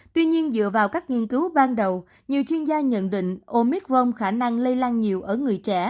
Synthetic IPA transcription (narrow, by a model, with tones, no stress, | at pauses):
t̪wi˧ɲi˧ənzɨ̰˧˨əvaː˨˩wkaː˦˥k̚ŋi˧ənkɨ˨˦wɓaː˧nɗə˨˩w | ɲi˨˩əwt͡ɕwi˧ənzaː˧ɲə̰˧˨nɗḭ˧˨ŋ̟ʔo˧mi˦˥k̚zo˧wŋ͡mmxaː˧˩na˧ŋlə˧jlaː˧nɲi˨˩əwʔəː˧˩ŋɨ˨˩əjt͡ɕɛ̰˧˩